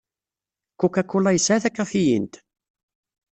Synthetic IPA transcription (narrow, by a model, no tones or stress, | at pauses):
kːukːækːʊlæjəsːʕaθækːæθijḭnt̪